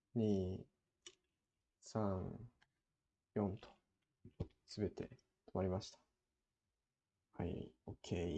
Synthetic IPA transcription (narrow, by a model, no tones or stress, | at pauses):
ɲ̟iː | sãŋ | jõ̞nt̪ʰo̥ | sɨbe̞t̪e̞̰ | t̪ʰomaɾʲimaɕi̥t̪ḁ | haḭokʰe